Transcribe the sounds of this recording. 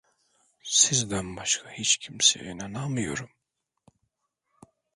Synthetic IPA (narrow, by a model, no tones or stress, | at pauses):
sizd̪ænbaʃkʰahit͡ʃcʰimsḛjinanamɯjo̞̰ɾum